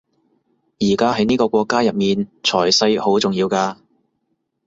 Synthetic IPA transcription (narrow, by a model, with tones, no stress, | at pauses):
jiː˨˩kaː˥ɦɐ˨˥jniː˥kɔː˧kʷɔː˧kːaː˥jɐ˨p̚miː˨nt͡ʃʰɔː˨˩jsɐ˧jho˨˥wt͡sʊ˨ŋjiː˧wkaː˧